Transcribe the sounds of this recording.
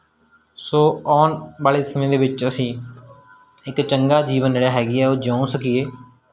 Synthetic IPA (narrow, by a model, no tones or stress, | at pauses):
soːɔːnbaːleːsəmẽːd̪eːʋɪt͡ʃəsĩː | ɪkt͡ʃəŋɡaːd͡ʒiːʋənd͡ʒeːɽaːɦɛːɡɪːɛːoːd͡ʒãːũsəkɪeː